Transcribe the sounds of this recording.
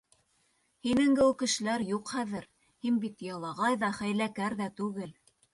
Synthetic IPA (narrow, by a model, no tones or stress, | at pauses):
hinɘ̆ŋɡɘwkɘ̆ʃɘ̆læɾjuqχæðɘɾ | hinbit̪jɑlˠɑʁɑjðɑχæjlækæɾðæt̪ʉɡɘl